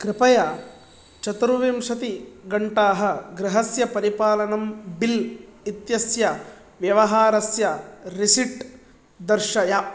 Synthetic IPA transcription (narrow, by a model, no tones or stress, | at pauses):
kɾɪpɐjɐ | t͡ʃɐt̪ɾuʋimʃɐt̪iɡɐɳʈaːɦɐ̆ɡɾɪɦɐsjɐpɐɾipaːlɐnɐmbilit̪jɐsjɐ | ʋjɐʋɐɦaːɾɐsjɐɾisiʈ | d̪ɐɾʃɐjɐ